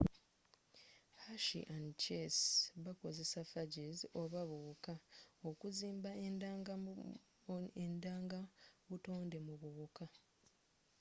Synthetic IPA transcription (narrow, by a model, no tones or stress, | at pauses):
haʃḭʔant͡ʃesβako̞ze̞safaɟezio̞βaβuβukaokuziːmbaendaːŋɡa | endaːŋɡaβuto̞ːnde̞muβuβuka